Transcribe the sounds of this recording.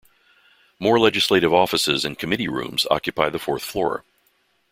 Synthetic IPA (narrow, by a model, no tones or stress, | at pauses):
mɔɹlɛd͡ʒɨsleɪɾɨvɔfəsɪzɨ̃nkʰɨmɪɾiɹʉ̰̃mz̥ɑ̰kjɨpʰaɪðəfɔɹθflɔɹə̰